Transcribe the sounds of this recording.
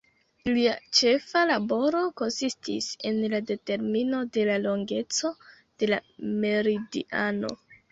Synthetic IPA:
liat͡ʃe̞falabo̞ɾo̞ko̞nsistise̞nlade̞te̞ɾmino̞de̞lalo̞ŋɡe̞t͡so̞ | d̥e̞lame̞ɾidḭʔa̰no̰

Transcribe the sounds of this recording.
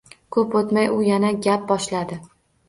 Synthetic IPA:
kʰɵpot̪majʊjanaɡʲap̚bɒʃlad̪ɪ

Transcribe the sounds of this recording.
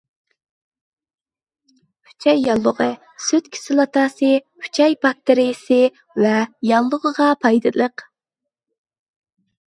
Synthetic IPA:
pʰy̥t͡ʃʰɛjːɑlˠːʊʁə | søt̪kʲʰi̥sɪlˠɑt̪ʰɑːsɨpʰy̥t͡ʃʰɛjpʰɑk̚t̪ʰːeɾijsɨ | vɛjɑlˠːʊʁəʁɑpʰɑjd̪ɨlˠəq

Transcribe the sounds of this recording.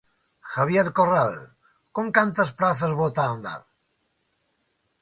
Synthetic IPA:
xaβjeɾkoral | koŋkant̪əspɾaθəzβot̪aːnd̪a̰ɾ

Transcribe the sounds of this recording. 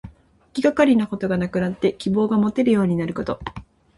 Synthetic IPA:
kʲiɡakaɾʲinako̞t̪o̞ɡanakɯ̟nat̪ːe̞kʲibo̞ːɡamo̞t̪e̞ɾɯ̟jo̞ːɲ̟inaɾɯ̟ko̞t̪o̞

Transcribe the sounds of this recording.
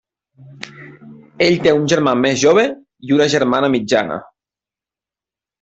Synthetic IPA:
eʎt̪eunʲʒeɾmamezʒoβ̞e | iunəʒeɾmanəmid͡ʒa̰nə̰

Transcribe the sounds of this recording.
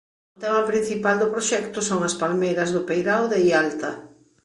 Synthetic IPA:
ʊt̪ɛmɐpɾin̟θipald̪ʊpɾoʃɛkt̪ʊsoŋɐspalmejɾɐzðʊpejɾawðeialt̪ɐ

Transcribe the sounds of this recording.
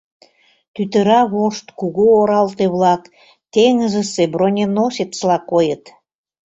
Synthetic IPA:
t̪yt̪ə̆ɾɑβoʃt̪kuɣuoɾɑlt̪eβlɑk | t̪eŋəzə̆sebɾonʲenosʲet̪slɑkojət̪

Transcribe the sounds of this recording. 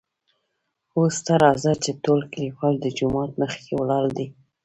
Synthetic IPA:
ost̪aɾɑzat͡ʃet̪olklifɑld̪əd͡ʒʊmɑt̪məxkewlɑld̪i

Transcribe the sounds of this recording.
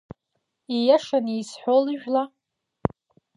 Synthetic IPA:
ijaʂanijsħʷolɨʒᶣla

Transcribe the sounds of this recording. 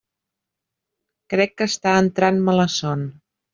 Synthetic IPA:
kɾɛkːəst̪aənt̪ɾanmələsɔn

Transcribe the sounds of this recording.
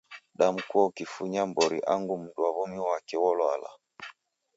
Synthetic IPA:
ɗam̩kuɔukifuɲambɔɾḭʔaŋɡum̩duaβɔmiwakɛwɔlwala̰

